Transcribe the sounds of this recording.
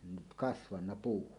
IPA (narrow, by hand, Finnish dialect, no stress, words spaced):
nyt kɑsʋɑnːɑ puː